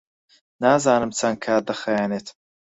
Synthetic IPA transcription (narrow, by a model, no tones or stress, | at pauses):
naːzaːnɨmt͡sʰankʰaːd̪ɐχɐjaːneːt̪ʰ